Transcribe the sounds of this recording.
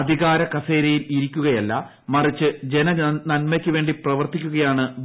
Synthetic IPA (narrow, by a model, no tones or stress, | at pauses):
ɐd̪ʱiɣaːɾɐkɐseːɾɐjiliɾikʲːuɣɐjɐlːɐ | mɐrit͡ɕːɨd͡ʑenɐnɐnmekʲːɨʋe̞ːɳɖiprɐʋɐrt̪ikʲːuɣɐjaːɳɨb